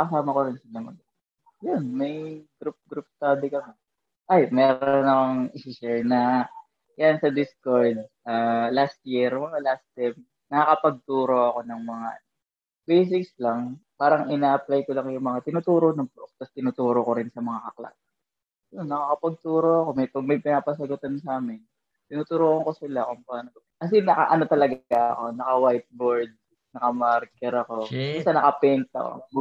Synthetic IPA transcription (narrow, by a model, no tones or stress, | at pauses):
kɐsaːmɐkoɾɪnsɐlɐŋod̪ | jʊnmɐjɡɾup̚ɡɾup̚st̪aːd̪ikɐmɛ | ʔajmɛːɾoonɐkoŋɪsɪʃɛɹnɐ | jansɐd̪ɪskoɹd̪̚ʔalast̪̚jiɾolast̪ajm | nɐkɐkɐpɐɡ̚t̪uːɾo̞ʔɐko̞nɐŋmɐŋa̰ | bejs̬ɪkslɐŋpaːɾɐŋʔɪnaːʔɐplajkolɐŋjʊŋmɐŋat̪ɪnuːt̪uːɾonɐŋpok̚t̪ɐst̪ɪnut̪uːɾokoɾɪnsɐmɐŋakɐkla̰t̚ | onːɐkakɐpɐɡ̚t̪uːɾoɐko̞mɛpɐɡ̚mɐjpɪnaːpɐsɐɡʊt̪ansaːmɪn | t̪ɪnuːt̪ʊɾuʔɐŋko̞sɪlakʊŋpaːno | kɐs̬ɪnɐka̰ʔɐno̞t̪ɐlɐɡaɐko̞nɐkɐwajt̪̚boɹd̪̚ | nɐkɐmaɾkɛɾɐko̞mʊsɐnɐkɐpɛnt̪ɐ̰ʔo̰